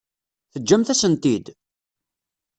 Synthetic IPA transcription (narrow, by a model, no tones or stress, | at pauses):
θəd͡ʒːæmθæsənt̪id̪